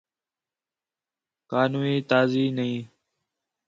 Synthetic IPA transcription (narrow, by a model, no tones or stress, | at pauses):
kaːnuːiːt̪aːziːnəĩː